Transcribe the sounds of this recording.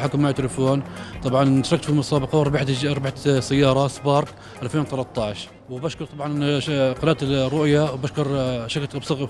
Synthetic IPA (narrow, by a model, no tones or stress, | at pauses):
ħakʊmːaʕt̪ɪlɪfoːnt̪ˤɑbʕɑnɪt̪ɾˤɑk̚t̪filmʊsˤɑːbɑqɑwɾˤbħɾˤbaħsajːɑːɾˤɑsbɑːɾˤk | ʔalfeːnwɪt̪ɑlɑt̪ˤːɑːʕʃ | wɪbaʃkʊɾˤt̪ˤɑbʕɑnqɑlaːt̪rˤːʊʔjawbaʃkʊɾʃaklbsˤɑɣ